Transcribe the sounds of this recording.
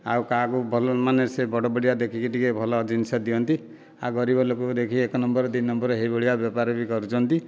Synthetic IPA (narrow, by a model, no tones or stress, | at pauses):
a̰wkakubʱɔlɔmanesebɔɽɔbɔɽiad̪ekʰikiʈikebʱɔlɔd͡ʒinisad̪iɔnt̪i | a̰ɡɔɾibɔlokud̪ekʰiekɔnɔmbɔɾɔd̪innɔmbɔɾɔɦebɔɽiabjɔpaɾɔbikɔɾut͡ʃʰɔnt̪i